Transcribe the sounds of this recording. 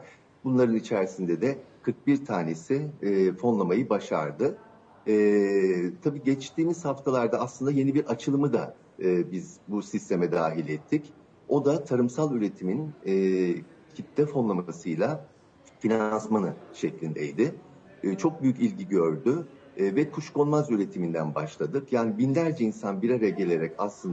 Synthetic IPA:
bunlˠaɾɯnit͡ʃʰæɾsind̪ɛd̪ɛkʰɯɾk̚biɾt̪ʰaːne̞sɪfo̞nlˠamajɯbaʃa̰ɾd̪ɯː | t̪ʰabiːɟɛt͡ʃt̪ʰiːmiz̥haft̪ʰalˠaɾd̪aːslˠɯnd̪aje̞nibiɾat͡ʃʰɯlˠɯmɯd̪a̰ | ɯːbizbusist̪ʰe̞mɛd̪aːɦilʲɛt̪ʰːic | o̞d̪at̪ʰaɾɯmsalˠyɾe̞t̪ʰiminː | cʰit̪lɛfo̞nlˠamasɯjlˠa | finansmanɯʃɛclʲind̪ḛjd̪ɪ | t͡ʃʰo̞k̚byjycilʲɟiɟøɾd̪y | vɛkʰuʃko̞nmazyɾe̞t̪ʰimind̪ænba̰ʃlˠad̪ɯkjaːnibinlʲæɾd͡ʒɛinsanbiɾaɾajaɟe̞lʲe̞ɾɛcaslˠɯnd̪a

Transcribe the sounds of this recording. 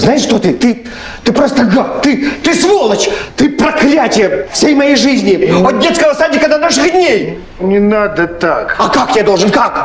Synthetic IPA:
znajɪʂʂt̪ot̪ɨt̪ɨ | t̪ɨpɾost̪əɡat̪ɨt̪ɨsvolˠət͡ɕt̪ɨpɾɐklʲætʲɪjəfsʲejmɐjejʐɨzʲnʲɪot̪̚dʲet̪skəvəsadʲnʲɪkənɐnaʂɨɣd̪ʲnʲej | nʲɪnad̪ət̪akɐkakt̪ʲɪjad̪olˠʐɨnkak

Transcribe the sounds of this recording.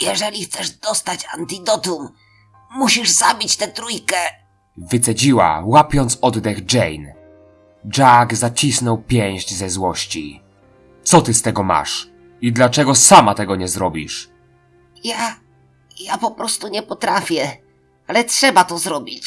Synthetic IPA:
jɛʐɛlʲixt̪sɛʐd̪ɔst̪at͡ɕant̪id̪ɔt̪um | muɕiʐzabʲit͡ɕt̪ɛt̪ɾujkɛ | vɘt̪sɛd͡ʑiwa̰wapʲjɔnt̪sɔd̪d̪ɛɣd͡ʐɛjn | d͡ʐaɡzat͡ɕisnɔwpʲjɛ̃ɲ̃ʑd͡ʑzɛzwɔɕt͡ɕḭ | t̪sɔt̪ɘst̪ɛɡɔma̰ʂ | id̪lat͡ʂɛɡɔsamat̪ɛɡɔɲɛzɾɔbʲḭʂ | ja | japɔpɾɔst̪uɲɛpɔt̪ɾafʲjɛ | alɛtʂɛbat̪ɔzɾɔbʲit͡ɕ

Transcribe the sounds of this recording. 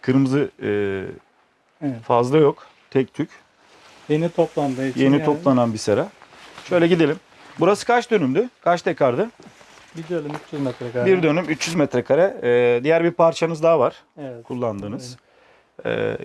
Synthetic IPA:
kʰɯɾɯmɯzɯɯ | fazlˠajo̞k | t̪ʰɛc̚t̪ʰyc | jenit̪ʰoplˠand̪ɯje̞nio̞plˠananbisɯɾaʃø̞jlʲɛɟid̪elʲim | buɾasɯ̥kʰat͡ʃd̪ø̞nymd̪ykʰat͡ʃt̪ʰɛkʰaɾd̪ɯ | bid̪ønymyt͡ʃjyzmɛt̪ɾɛkabiɾd̪ø̞nymyt͡ʃjyzmɛt̪ɾɛkʰaɾɛːd̪ijæɾbiɾpʰaɾt͡ʃʰanɯzd̪aːvaɾ̥ | ɛɛkʰulˠːand̪ɯːnɯz̥ | ɛ̰

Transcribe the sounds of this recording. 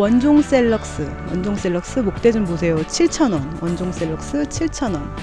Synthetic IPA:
wʌnd͡ʑoŋs͈e̞ɭːʌk̚s͈ɯ | wʌnd͡ʑoŋs͈e̞ɭːʌk̚s͈ɯmok̚t͈e̞d͡ʑomːos̬ʰe̞jot͡ɕʰiɭt͡ɕʰʌnʌnwʌnd͡ʑoŋs͈e̞ɭːʌk̚s͈ɯt͡ɕʰiɭt͡ɕʰʌnʌn

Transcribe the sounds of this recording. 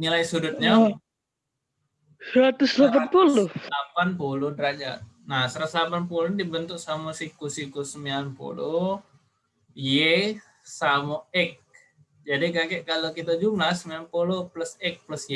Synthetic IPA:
nilaisudʊt̪̚ɲa | sɾat̪ʊslapanpulʊapanpulʊdəɾad͡ʒa̰t̪ | nasəɾaslapanpulʊdibənt̪ʊk̚samasikusikusəmianpo̰lu | je | samoɛk̚ | d͡ʒadikakɛʔkalokit̪ad͡ʒumlasəmianpolopləsɛk̚pləsje

